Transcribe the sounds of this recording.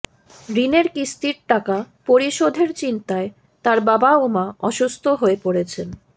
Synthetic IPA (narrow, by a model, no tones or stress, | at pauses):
ɾineɾkist̪iɾʈakapoɾiʃod̪ʱeɾt͡ɕint̪ae | t̪aɾbabaomaʔɔʃust̪ʰoɦoepoɽet͡ɕʰen